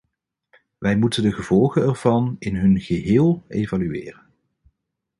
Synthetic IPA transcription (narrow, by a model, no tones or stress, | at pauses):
ʋɛjmutəndəχəv̥ɔlˠχənɛrv̥ɑnɪnɦɵnχəɦɪːlˠejvalyɪ̰ːrən